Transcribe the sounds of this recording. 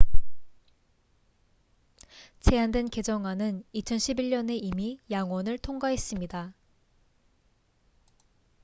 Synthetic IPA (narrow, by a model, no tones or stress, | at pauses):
t͡ɕe̞andwenke̞d͡ʑʌŋwanɯnit͡ɕʰʌnɕʰibiʎɲʌne̞imijaŋwʌnɯɭtʰoŋɡaɦe̞s͈ɯmɲida